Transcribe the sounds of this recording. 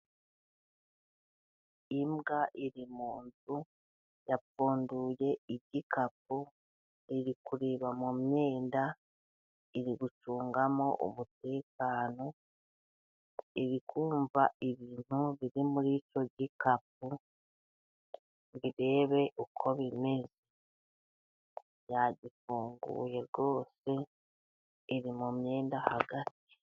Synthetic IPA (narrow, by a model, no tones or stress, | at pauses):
imɡaʔiɾimuːnzu | jafuːnduje̞iβɟikapu | iɾikuɾiβamumje̞ːnda | iɾiɡut͡ʃuːŋɡamo̞̰ʔṵmute̞ːkaːno̞ | iɾikʰuːɱvaiβiːn̥huβiɾimuɾico̞ɟikap̚u | βiɾe̞ːβe̞ʔukʰo̞βime̞ze | jaɟifuːŋɡṵːje̞ɾɡo̞ːse̞ | ɾimumje̞ːndahaɡati̥